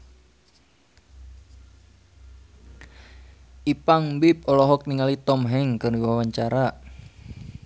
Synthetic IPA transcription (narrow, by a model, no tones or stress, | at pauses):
ʔipaŋbip̚ɔlɔɦɔk̚niŋalit̪ɔmɦɛŋkɨriwawaɲt͡ʃaɾa